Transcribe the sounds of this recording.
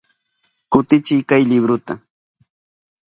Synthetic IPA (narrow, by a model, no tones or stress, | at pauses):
kʊt̪ɪt͡ʃɪjkajlɪbɾʊt̪a